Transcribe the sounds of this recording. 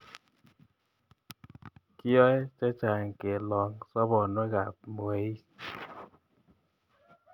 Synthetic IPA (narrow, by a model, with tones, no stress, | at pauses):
ki˦ɔ˦ɛ˦t͡ʃa˦t͡ʃa˨ŋke˨lɔ˨ŋsɔ˦bɔ˨nɔ˦ɡa˨p̚mo˨e˨˦